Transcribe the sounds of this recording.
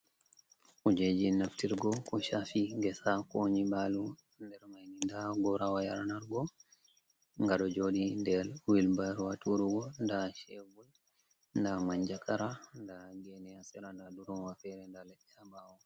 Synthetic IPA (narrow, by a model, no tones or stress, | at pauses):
ʔud͡ʒed͡ʒinaftiɾɡɔkɔʃafiŋɡɛsakoɲiɓalu | ndɛɾmajnindaɡɔɾawajaɾnaɾɡɔ | ŋɡaɗɔd͡ʒoɗindɛɾwilbaɾwatuɾuɡɔndaʃevul | ndamaɲd͡ʒakʰaɾandaɡɛnɛasɛɾandaduɾɔnwafɛɾɛndalɛʔɛabawɔ